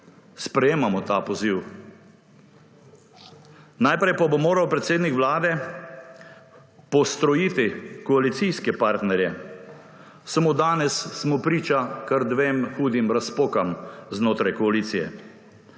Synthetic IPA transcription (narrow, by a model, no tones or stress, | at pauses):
spɾɛjeːmamɔt̪apɔziw | najpɾɛjpabomoːɾawpɾɛt̪seːd̪nikʋlaːd̪ɛ | pɔst̪ɾɔjiːt̪ikɔalit̪sijskɛpaɾt̪nɛɾjɛ | samod̪aːnɛsːmɔpɾiːt͡ʃakaɾd̪ʋeːmxuːd̪imɾaspoːkamznoːt̪ɾajkɔaliːt̪sijɛ̰